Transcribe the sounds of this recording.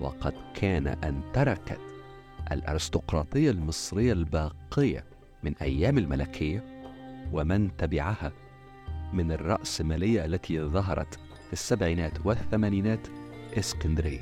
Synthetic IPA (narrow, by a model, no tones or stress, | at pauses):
wɑ̰qɑd̪kʰaːna̰ʔɪnt̪ɑɾˤɑka̰t̪ | ʔa̰lʔɑ̰ɾɪst̪ʊqɾˤɑːt̪ˤɨjːalmɨsˤɾɪjːalbɑːqɪjːa̰ | mɪnʔa̰jːaːmalmalakʰɪjːawamɪnt̪abɪʕaha | mɪnɑrˤːɑ̰ʔsmaːlɪjːaʔalːat̪ʰiðˤɑɦɑ̰ɾˤɑ̰t̪ | fisːabʕiːnaːt̪wɪθːamaːniːnaːt̪ʔɪskand̪ɾɪjːa